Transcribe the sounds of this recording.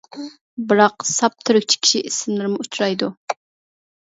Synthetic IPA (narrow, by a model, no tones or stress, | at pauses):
bɨɾɑqsɑp̚t̪ʰːyɾykʲt͡ʃʰi̥kʲʰi̥ʃiʔisɪmlˠɪɾɪmʊut͡ʃʰɾɑjd̪u